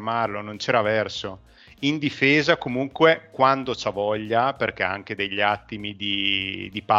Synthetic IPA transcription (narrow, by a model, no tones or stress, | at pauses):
marlonont͡ʃɛːɾavɛrso | ind̪ifeːzakomuŋkwekwand̪ot͡ʃavɔʎːaperk̟ɛa̰ŋk̟ed̪eʎːat̪ːimid̪id̪ipa